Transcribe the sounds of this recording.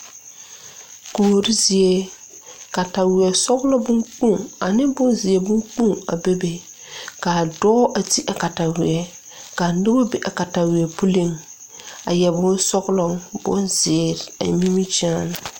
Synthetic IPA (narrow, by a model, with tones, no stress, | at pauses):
koː˨ɾi˦zɪ˨e˦ | ka˨ta˨wɪ˨ɛ˨sɔ˦ɣlɔ˦bʊ˦ŋk͡pũ˦˨a˨nɪ˦bʊ˦nzɪ˨ɛ˨bʊ˦ŋk͡pũ˦˨a˨be˦be˨ | ka˨dɔː˦ʔa˨ti˦ʔa˨ka˨ta˨wɪ˨ɛ˨ | ka˨nʊ˦bo˦be˨ʔa˨ka˨ta˨wɪ˨ɛ˨pu˦li˦˨ŋ | a˨jɛ˨bʊ˦n˦sɔ˦ɣlɔ˦ŋbʊ̰˦nzɪː˨ɾa̰˨mi˦mi˦t͡ʃa˦n˨